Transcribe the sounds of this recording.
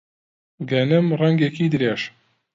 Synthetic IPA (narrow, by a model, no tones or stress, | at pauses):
ɡɐnɨmrɛŋɡekiːd̪ɨɾeːʃ